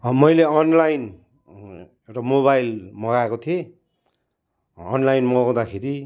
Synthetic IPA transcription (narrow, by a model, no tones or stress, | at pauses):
mʌjleʌnlajn | rʌmoβajlmʌɣaekot̪ʰie | ʌnlajnmʌɣãw̃d̪akʰeɾi